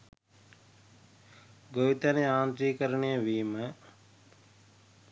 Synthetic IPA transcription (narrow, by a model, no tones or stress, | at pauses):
ɡojut̪aneaːnt̪ɾiːkəɾəɳejəʋiːmə